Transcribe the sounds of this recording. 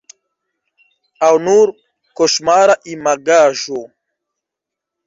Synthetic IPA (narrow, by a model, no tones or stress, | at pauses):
awnuːɾ | koʃmaːɾaʔimaɡaːʒo